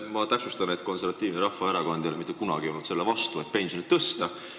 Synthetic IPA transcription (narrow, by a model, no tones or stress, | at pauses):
mɑt̪æksust̪ɑne̞t̪ko̞nse̞ɾvɑt̪ːˑiːvneɾɑhfɑeɾɑkond̪elemit̪ːˑukunɑ̰ɡionut̪se̞lːevɑst̪ue̞t̪̚pe̞nsjo̞nit̪ːɤst̪ɑ